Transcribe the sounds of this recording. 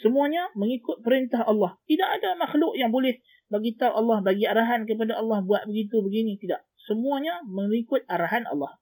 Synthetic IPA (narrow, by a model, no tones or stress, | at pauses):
səmuaɲaməŋikʊt̪̚pəɾint̪ahɑlːɑht̪idaʔadamaxlʊʔjaŋbolɛh | baɡit̪awʔɑlːɑhbaɡiaɾaɦank̬əp̬adaɑlːɑhbuat̪̚bəɡit̪ubəɡinĩt̪idaʔ | səmuaɲaməŋikʊt̪̚aɾaɦanɑ̰lːɑh